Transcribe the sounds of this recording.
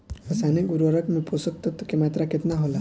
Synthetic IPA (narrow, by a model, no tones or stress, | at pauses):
əsaneɡuɾəɾəkmeposək̚t̪ət̪ːkemaːt̪ɾaket̪naɦola